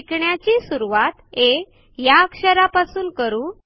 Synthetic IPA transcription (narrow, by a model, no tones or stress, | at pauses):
kɳjat͡ɕiːsuɾuʋat̪e | jakʂəɾapasuːnkəɾuː